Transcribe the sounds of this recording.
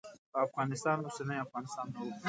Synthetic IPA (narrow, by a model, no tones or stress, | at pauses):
afɣanɪst̪anusenaafɣanist̪anːawu